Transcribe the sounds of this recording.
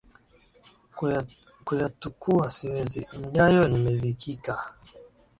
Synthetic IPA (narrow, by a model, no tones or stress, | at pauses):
kujatukʰuasiwɛzḭm̩ɲajɔnimɛvikʰika